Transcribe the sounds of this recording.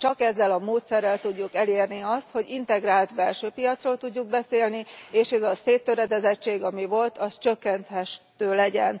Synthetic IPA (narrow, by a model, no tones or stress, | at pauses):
t͡ʃɒkɛzːɛlɒmoːt̪sɛrːɛlt̪uɟːukɛleːrniɒst̪ho̞ɟint̪ɛɡraːlt̪bɛlʃøːpijɒt̪sroːlt̪uɟːuɡ̚bɛseːlnieːʃɛzɒseːt̪ːøɾɛd̪ɛzɛt͡ʃːeːɡɒmivo̞lt̪ʰɒst͡ʃø̞kːɛnt̪hɛʃt̪ːøːlɛɟɛn